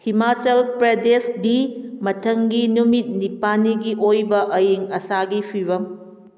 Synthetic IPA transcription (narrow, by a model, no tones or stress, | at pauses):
himat͡ʃɐlpɾedesdimɐtʰɐŋɡinumit̚nipaniɡiʔojbɐʔɐjiŋɐsaɡipʰiɾɐm